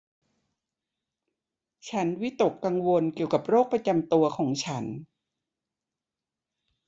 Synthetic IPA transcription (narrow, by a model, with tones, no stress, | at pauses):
t͡ɕʰa˦˥nwi˦˥t̪o˨˩kːa˧ŋwo˧nki˨˩əwka˨˩p̚ɾoː˥˩k̚pɾa˧t͡ɕa˧mt̪u˧ɐkʰɔː˩˦ŋt͡ɕʰa˦˥n